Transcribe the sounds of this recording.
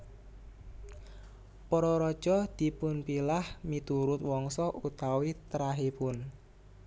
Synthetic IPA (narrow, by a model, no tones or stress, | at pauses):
pɔɾɔɾɔd̥ʒ̥ɔd̪̥i̤pʊnpilahmit̪uɾʊt̪wɔŋsɔʔut̪awit̪ɾaɦepʊn